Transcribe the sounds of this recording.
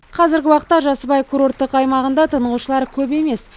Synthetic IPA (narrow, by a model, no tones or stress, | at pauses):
qʰɑzɪɾɡʲɪwɑqət̪ːɑʒɑsəbɑjkʰuɾo̞rt̪ːəqɑjmɑʁənd̪ɑt̪ʰəɴəʁuʃəlˠɑɾkʲʰɵpe̞me̞s